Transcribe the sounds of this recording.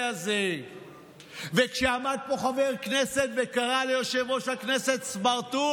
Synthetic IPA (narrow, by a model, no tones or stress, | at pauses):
aze | vekʃeamad̪̚po̞χaveʁkneset̪vekaʁalejoʃevo̞ʃakneset̪smaʁt̪u